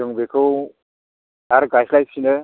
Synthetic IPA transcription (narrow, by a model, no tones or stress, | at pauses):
ɯŋbekʰɯw | aɾɡajsʰlajsʰinɯ